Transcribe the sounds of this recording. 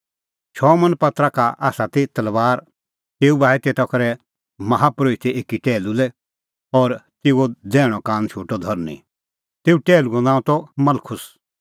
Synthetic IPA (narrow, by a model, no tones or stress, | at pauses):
t͡ʃʰɔːmɐ̃npɐt̪ɾakaa̰ːsat̪et̪ɐlʋaːɾ | t̪eːubaːɛt̪eːt̪ɐkɐɾɛ | mɐɦapɾoːit̪ɛeːkiʈɛːlulɛ | ɔːɾt̪ɪːuod͡zɛːɽ̃ɔkãːnt͡ʃʰoːʈɔd̪ʱɐɾnḭ | t̪eːuʈɛːluɔ̃nãːũt̪ɔmɐlkʰʊs